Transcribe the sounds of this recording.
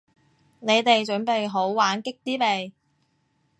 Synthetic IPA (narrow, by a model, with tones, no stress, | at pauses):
ne˨˧jt̪e˨jt͡ʃɵ˨˥npe˨jɦo˨˥wwaː˨˥nkɪ˥k̚t̪iː˥pe˨j